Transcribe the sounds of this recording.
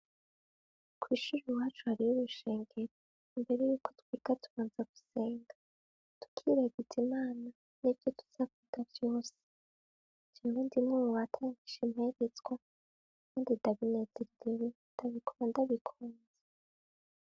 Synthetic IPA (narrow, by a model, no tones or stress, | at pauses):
kwiʃuɾuwaːt͡ʃuhaɾijuβuʃe̞ːŋɡe̞ɾo | imbe̞ɾejuːko̞twiːɡatuβaːnzaɡ̥u̥se̞ːŋɡa | tu̥kʰiɾaɡitʰimaːna | nibjo̞tu̥z̥aβiɡ̥avjo̞ːse̥ | d͡ʒaɾuːndimŋumuwatʰaːŋɡiʃemhe̞ɾet͡sɡwa | kʰaːndid̥aβine̞zeɾiɾewend̥aβikʰondaβikʰuːnze